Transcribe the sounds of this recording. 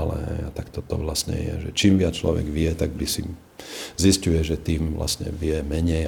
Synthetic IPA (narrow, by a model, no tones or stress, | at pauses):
lɛ̰ɦɛ̰jat̪akt̪ɔt̪ɔʋlasɲɛ̰jɛ̰ʒɛt͡ʃiːmʋɪat͡st͡ʃlɔʋɛ̰ɡʋɪɛt̪aɡ̚bd̪isi | ziscujɛʒɛt̪iːmʋla̰sɲɛ̰ʋɪɛmɛɲɛj